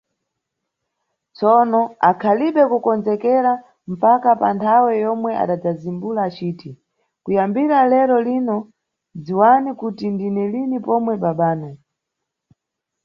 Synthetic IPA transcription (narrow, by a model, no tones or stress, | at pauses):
t͡sɔnɔakʰaliɓɛkukɔnd͡zɛkɛɾa | m̩pakapantʰawɛjɔmwɛʔa̰ɗad͡zazimbulaːt͡ʃiːti | kujambiɾalɛɾɔlinɔ | d͡ziwanikutindinɛlinipɔmwɛɓaɓaːnɛ